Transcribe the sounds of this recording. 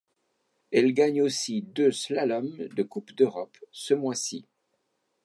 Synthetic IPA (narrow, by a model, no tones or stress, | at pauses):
ɛlɡaɲosid̪øslalɔmd̪əkupd̪øʁɔpsəmwasi